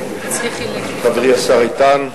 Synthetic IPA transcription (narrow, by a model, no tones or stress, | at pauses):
tavʁiasaʁit̪an